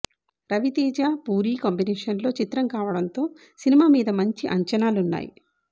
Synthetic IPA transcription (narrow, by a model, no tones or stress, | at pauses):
ɾɐʋit̪iːd͡ʒaːpuːɾiːkɐmbinɛːʂɐnlo̞ːt͡ʃit̪ɾɐmkaːʋɐɽɐnt̪o̞ː | sinimaːmiːd̪ɐmɐɲt͡ʃiʔɐɲt͡ʃɐnaːlunːa̰ːjḭ